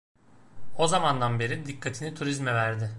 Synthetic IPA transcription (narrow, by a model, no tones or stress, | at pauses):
o̞zamand̪anbe̞ɾid̪ikʰːat̪ʰinit̪ʰuɾizmɛvæɾd̪ɪ